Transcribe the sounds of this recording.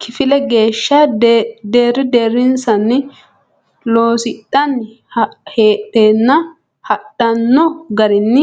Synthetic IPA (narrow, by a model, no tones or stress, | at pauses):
kʰɪfɪlɛɡeːʃːɐd̪eːɾɪd̪eːɾɪnsɐnːɪ | lo̞ːsɪtʼːɐn | heːt̪ʼːeːnːɐ | hɐtʼːɐnːɔɡɐɾɪnːɪ